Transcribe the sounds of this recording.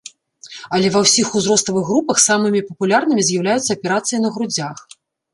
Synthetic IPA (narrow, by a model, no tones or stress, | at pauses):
ɐlʲɛvɐwsʲixuzɾɔst̪ˠɐvɨɣːɾupɐxsamɨmʲipɐpulʲarnɨmʲizʲjɐwlʲajut̪sːɐːpʲɛɾat̪sɨjinɐɣɾud͡zʲax